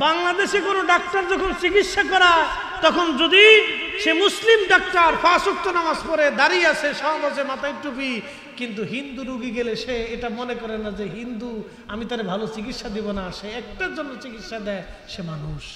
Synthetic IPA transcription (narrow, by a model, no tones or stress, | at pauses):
baŋlad̪eʃekonoɖakʈaɾd͡ʑɔkʰont͡ɕikitʃakɔɾa | t̪ɔkʰond͡ʑod̪i | ʃemuslimɖak̚ʈaɾpʰasuk̚t̪onamaspɔɾed̪aɾiat͡ɕʰeʃɔbad͡ʑemat̪ajʈupi | kint̪̬uɦind̪uɾuɡiɡeleʃeeʈamonekɔɾenad͡ʑeɦind̪u | amit̪aɾebʱalot͡ɕik̬itːʃad̪ibonaʃeɛk̚ʈaɾd͡ʑonːot͡ɕikit̪ːʃad̪ɛeʃemanuʃ